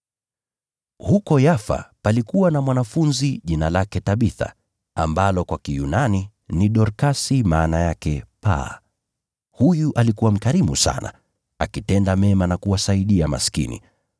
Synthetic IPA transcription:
hukɔjafa̰palikuwanamwanafunziʄinalakɛtaɓiθa̰ | a̰mbalɔkwakijunani | niɗɔɾkasimaːnajakɛpa̰ | hujuʔalikuwam̩kaɾimusa̰na̰ | akitɛndamɛmanakuwasaiɗiama̰si̥kḭnḭ

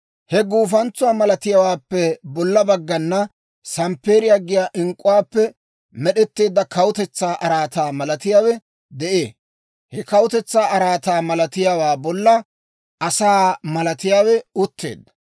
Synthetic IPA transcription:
hɛɡuːfɐnt͡sːʊwaːmɐlɐt̪ɪjawaːpːɛbɔlːɐbɐɡːɐnːɐ | sɐmpe̞ːɾɪjaɡɪjaːʔɪŋkʼːʊwaːpːɛ | mɛɗɛt̪ːe̞ːd̪ːɐkɐwʊt̪ɛt͡sːaːʔɐɾaːt̪aːmɐlɐt̪ɪjaːwɛ | d̪ɛʔe̞ː | hɛkɐwʊt̪ɛt͡sːaːʔɐɾaːt̪aːmɐlɐt̪ɪjawaːbɔlːɐ | ʔɐsaːmɐlɐt̪ɪjaːwɛʊt̪ːe̞̰ːd̪ːɐ̥

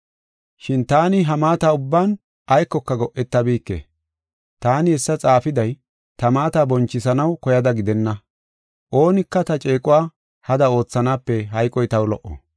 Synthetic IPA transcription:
ʃɪnt̪aːnɪɦɐmaːt̪aːʊbːaːn | ʔɐjkːɔkːɐɡɔʔːɛt̪ːɐbiːkːḛː | t̪aːnɪɛsːɐt͡sʼaːfɪd̪ɐj | t̪ɐmaːt̪aːbɔnt͡ʃːɪsɐnɐwkɔjɐd̪ɐɡɪd̪ɛnːɐ | ʔo̞ːnɪkːɐt̪ɐt͡ʃʼe̞ːkʼʊwaː | hɐd̪ɐo̞ːt͡sːɐnaːpːɛɦɐjkʼːɔjt̪ɐwlɔʔːɔ̰

